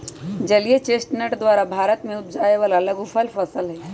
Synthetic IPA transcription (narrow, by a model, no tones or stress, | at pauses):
d͡ʒɐliet͡ʃeːsʈnəʈd̪waːɾabʱaːɾət̪mẽʊt̪̚d͡ʒaːeʋaːlɐləɡʊfʰəlfəsəlɦɛː